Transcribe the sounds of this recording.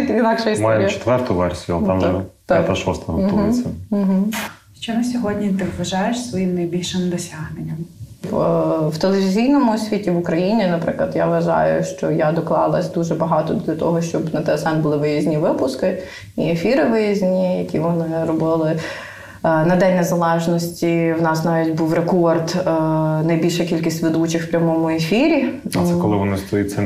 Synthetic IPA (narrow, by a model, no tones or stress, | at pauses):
t̪inɑkʃɛistmjɛɾmjt͡ʃe̥t̪ʋɛrt̪ʊʋɛrsʲijʊlˠt̪a̰mɛpt̪at̪ɐʃɔst̪ɐɦɐpɔlˠɪs̩ʲɦ̩ | ʃt͡ʃɔmɐsʲɔɦɔdʲnʲit̪ɪʋʋɐʒɑjeʃsʋɔjimnɐjbʲilʲʃɪmd̪ɔsʲaɦnenʲːɐm | wt̪elˠeʋʲizʲijnɔmʊɔsʲʋʲitʲiʋʊkɾɐjinʲinɐpɾɪklˠɐd̪jaʋʋɐʒɑ̰jʊ̰ʃt͡ʃɔjad̪ɔklˠɑlˠɐsʲd̪uʒɛbɐɦɑt̪ɔd̪lʲɐt̪ɔɦɔʃt͡ʃɔbnɐt̪ɛsamʲbʊlˠɪʋɪjɐzʲnʲiʋɪpʊskɪ | iefʲiɾɪʋɪjɐzʲnʲijɐkʲiʋɔnɪɾɔbɪlˠɪ | nɐd̪ɛnʲnɛzɐlˠɛʒnɔsʲtʲiwnɑsnɑʋʲitʲbuwrekɔrd̪ | nɐjbʲilʲʃɛkʲilʲkʲisʲtʲʋed̪ut͡ʃɪxw̥pʲɾʲɐmɔmʊefʲiɾʲisɛkɔlˠɪʋɔnɪst̪ɔjitʲsʲɛ